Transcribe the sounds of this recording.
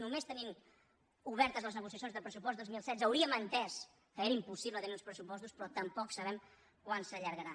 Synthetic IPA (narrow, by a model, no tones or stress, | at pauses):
numest̪ənim | uβɛɾt̪əzləznəɣusiəsjonzðəpɾəsupɔst̪ozmilˠsɛd̪zəwɾiəmənt̪ɛs | kəeɾəimpusiβlət̪əniũnˠspɾəsupɔst̪uspɾɔt̪əmpɔksəβɛm | kwansəʎəɾɣəɾa